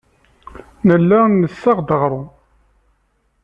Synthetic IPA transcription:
nəlːænːəsːɑʁd̪əʁɾˤu

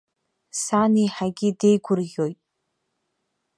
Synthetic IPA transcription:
saniħaɡʲide̞jɡʷʊrɣʲo̞jtʼ

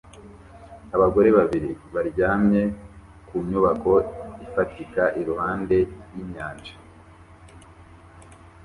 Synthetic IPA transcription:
aβaɡo̞ɾe̞βaβiɾiβaɾɟaːmɲe̞ | kuɲuβako̞ifatikaʔiɾuhaːnde̞jiɲɲaːnd͡ʒḁ

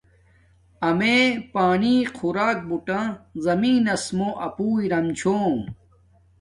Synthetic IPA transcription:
ɐmepaːɳiːqʰuɾaːk̚buʈãzɐmiːnɐsmoʔɐpuːiɾɐmt͡ɕʰoː

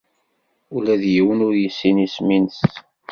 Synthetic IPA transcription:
ulæðjiwənʊɾjəsːinisminəst̪

